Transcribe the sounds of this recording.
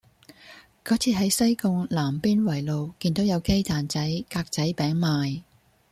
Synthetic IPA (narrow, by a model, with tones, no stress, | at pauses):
kɔː˨˥t͡sʰiː˨˧ɦɐ˨˥jsɐ˥jkʊ˧ŋlaː˨˩mpiː˥nwɐ˨˩jlo˨wkiː˧nt̪o˨˥wjɐ˨˧wke˥jt̪ʰaː˨˩nt͡sɐ˨˥jkaː˧k̚t͡sɐ˨˥jpɛː˨˥ŋmaː˨˧j